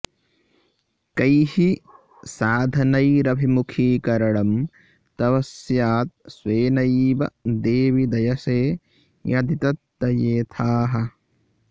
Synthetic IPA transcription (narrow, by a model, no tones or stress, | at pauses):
kɐjhi | saːd̪ʱɐnɐjɾɐbʱimukʰiːkɐɾɐɽɐm | t̪ɐʋɐsjaːt̪̚sʋeːnɐjʋɐ̰d̪eːʋid̪ɐjɐseː | jɐd̪ʱit̪ɐt̪ːɐjeːt̪ʰaːɦɐ